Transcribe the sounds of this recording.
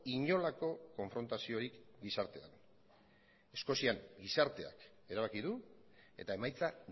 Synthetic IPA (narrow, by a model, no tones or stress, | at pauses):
iɲo̞lako̞ko̞ɱfɾo̞nt̪asio̞ɾikɡisaɾt̪e̞an | e̞sko̞siaŋɡisaɾt̪e̞a̰k | e̞ɾaβakiðu | e̞̰t̪ae̞majt͡sa